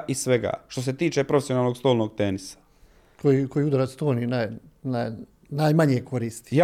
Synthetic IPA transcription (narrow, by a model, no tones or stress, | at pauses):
ʔisʋeɡa̰ːʃt̪os̬e̞t̪iːt͡ʃepɾo̞fesionaːlnoɡst̪o̞ːlnoːɡ̚t̪enisḁ | kʰojikojiud̪aɾat̪st̪oːninajna | najmaɲekʰo̞ɾist̪i̥